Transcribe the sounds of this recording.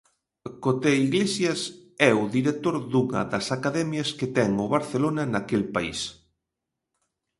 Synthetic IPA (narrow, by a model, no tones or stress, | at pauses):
kot̪eiɣlesjɐsɛʊðiɾet̪oɾðuŋɐ̰ðɐsakaðɛmjɐsket̪ɛŋʊβaɾθelonɐnakelpaḭs